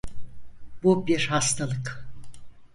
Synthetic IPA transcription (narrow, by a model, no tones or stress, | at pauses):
bubiɾhast̪ʰalˠɯk